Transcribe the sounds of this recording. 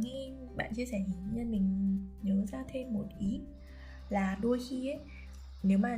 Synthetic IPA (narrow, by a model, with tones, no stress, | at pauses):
ŋi˧ | ɓa̰ː˧˨nt͡ɕi˧əsɛ˧˩hi˨˦ɲaː˧mï˨˩ŋ̟ɲəː˨˦zaː˧t̪ʰe˧mːo˨˩t̚ʔi˨˦˥ | laː˨˩ɗo˧jxi˧ə˨˦j | ne˨˦wmaː˨˩